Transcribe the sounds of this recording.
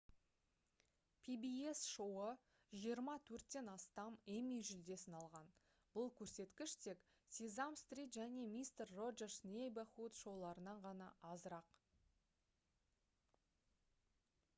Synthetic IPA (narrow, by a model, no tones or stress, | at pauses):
pʰibie̞sʃowə | ʒijəɾmɑt̪ʰɵɾt̪ːe̞nɑst̪ɑmemijʒʏld̪e̞sɪnɑlˠʁɑn | bʊlˠkʲʰɵɾse̞t̪kʲɪʃt̪ʰe̞k | sizamst̪rʲit̪ʒæne̞mijst̪erːo̞ʒersnʲejbaχut̪ʃo̞wlˠɑɾənɑɴʁɑnɑʔɑzəɾɑq